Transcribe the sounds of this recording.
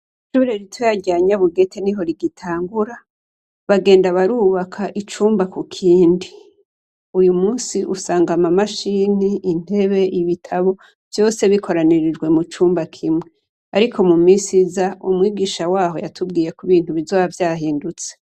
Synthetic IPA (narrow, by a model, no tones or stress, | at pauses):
iʃuɾeɾitʰwejaɟaːɲaβuɡe̞tʰe̞niɦo̞ɾiɡitʰaːŋɡuɾa | βaɡe̞ːndaβaɾuːβakʰaʔit͡ʃuːmbakukʰiːndi | ujumuːnsiʔusaːŋɡamamaʃiːniːn̥e̞βe̞ʔiβitʰaβo̞ | v̥jo̞ːse̞βikʰo̞ɾaniɾid͡ʒɡwe̞mut͡ʃuːmbakʰimŋe̞ | aɾikʰo̞mumiːsizaumŋiːɡiːʃawaːɦo̞jatʰubɡiːje̞kuβiːn̥huβizoːβavjaːhiːndut͡se